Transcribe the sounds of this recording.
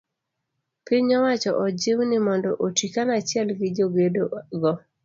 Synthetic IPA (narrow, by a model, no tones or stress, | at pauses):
piɲɔwat͡ʃɔʔɔd͡ʒɪwnɪmɔndɔʔotikanat͡ʃɪɛlɡɪd͡ʒoɡedoɡɔ